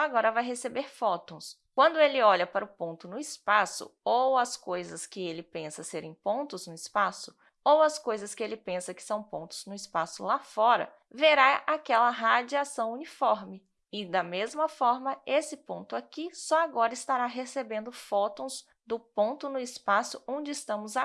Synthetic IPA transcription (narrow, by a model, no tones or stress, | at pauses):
sɔaɡɔɾɐvajɦesebeɾfɔt̪õw̃s | kwɐ̃nd̪ʊelɪɔʎɐpaɾʊpõt̪ʊnʊispasʊ̰owɐskojzɐskɪelɪpẽsɐseɾẽj̃põnt̪ʊznʊispasʊ̥ | owɐskojzɐskɪelɪpẽsɐkɪ̥sɐ̃w̃põt̪ʊ̥z̥nʊɪspasʊ̰lafɔɾɐ̰ | veɾaʔakɛlɐɦad͡ʒiasɐ̃w̃unifɔɾmɪ | ɪd̪ɐmezmɐfɔɾmɐesɪpõnt̪ʊakisɔaɡɔɾɐɪst̪aɾaɦesebẽnd̪ʊfɔt̪õw̃z | d̪ʊpõnt̪ʊnʊɪspasʊõnd͡ʒɪɪst̪ɐ̃mʊza